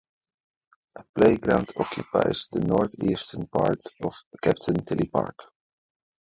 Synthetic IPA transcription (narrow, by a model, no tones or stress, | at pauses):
ʔəpleɪɡɹãʊ̃ndɔkʰjupa̰ɪzðənɔɹθḭːstənpʰaɹtɔv̥kʰæp̚tʰə̃nt̪ʰɛlipa̰ɹk